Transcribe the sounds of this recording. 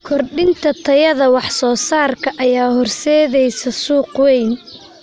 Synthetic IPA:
kʰɔrɖɪnt̪ʰɐt̪ʰɐjɐðɐwɑħsɔːsaːrkʰɐʔɐjaːhɔrsɛːðɛjsɐsuːqwɛjn

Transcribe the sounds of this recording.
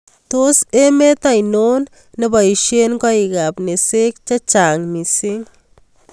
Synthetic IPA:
t̪osemet̪ajnonː | ɐbajʃenkɔiɡapnesek̚t͡ʃat͡ʃaŋnisiŋ

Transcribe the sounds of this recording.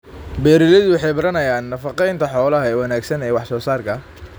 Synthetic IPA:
bɛːɾɪlɛðʊwɑħɑjbɐɾɐnɐjaːnːɐfɑqɛjnt̪ʰɐħɔːlɐɦɐɛːwɐnaːɡsɐnɛːwɑħsɔːsaːrkʰɐ

